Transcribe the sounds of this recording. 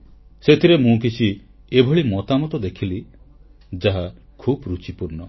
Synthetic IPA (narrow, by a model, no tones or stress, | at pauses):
set̪ʰiɾemũk̬it͡ʃʰi | ebʱɔɭimɔt̪amɔt̪ɔd̪ekʰili | d͡ʒaɦa | kʰubɾut͡ʃipuɾnɔ